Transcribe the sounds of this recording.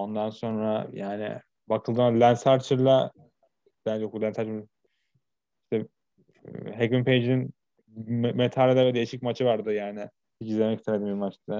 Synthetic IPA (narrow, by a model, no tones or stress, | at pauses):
o̞nd̪anso̞nɾajaːnɪ̰ | bakʰɯlˠd̪ɯnalʲænsaɾt͡ʃʰɯɾlˠa | b̥ænd͡ʒɛjoklʲænsaɾt͡ʃ | iʃt̪ʰɛ | ɦecmimpejd͡ʒinin | met̪ʰaːlʲed̪ɛvɛd̪e̞jiʃic̚mat͡ʃʰɯvaɾd̪ɯjaːnɪ | hit͡ʃizlʲemɛcist̪ʰemed̪imbimat͡ʃt̪a